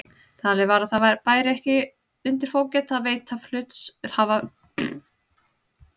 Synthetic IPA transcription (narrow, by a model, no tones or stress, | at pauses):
t̪ʰaːlɪvaɾaðθaðvaɾpaːjɾɪɛhcɪ | ʏnt̪̬ɪɾ̥foːwcɛt̪θaðveːjt̪aflʏt̪sɛɾ̥haːva